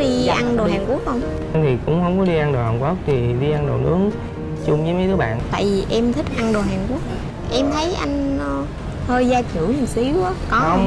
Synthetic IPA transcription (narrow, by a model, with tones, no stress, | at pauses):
ɗi˧ʔa˧nɗo˨˩haː˨˩nku˦˥ək̚hə˧wŋ͡m | a˧t̪ʰi˨˩kʊ̰˧˥ŋ͡mhə˧wŋ͡mkɔ˨˦ɗi˧ʔa˧nɗo˨˩haː˨˩nku˦˥ək̚t̪ʰi˨˩ɗi˧ʔa˧nɗo̰˨˩nʔɨ̰˨˦əŋ | t͡ɕʊ˧ŋ͡mvɨ˨˦jmː˨˦jt̪ɨ˨˦ɓa̰ː˧˨t̪a̰ː˧˨jvi˨˩ʔɛ˧mt̪ʰï˦˥k̟̚ʔa˧nɗo˨˩ɦaː˨˩ŋku˦˥ək̚ | ʔɛ˧mt̪ʰə˨˦jʔa̰˧jŋ̟˨ | t̪ʰoː˧jzaː˧t͡ɕɨ˧˩˦ɲɨ˨˩si˨˦wʔa˨˦kɔ˨˦˧